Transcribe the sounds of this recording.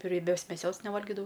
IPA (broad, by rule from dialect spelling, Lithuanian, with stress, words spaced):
rʲiɛˈbʲoːs mʲɛˈsʲoːs nʲɛˈʋɐlʲɡʲɪdɐʋɐʊ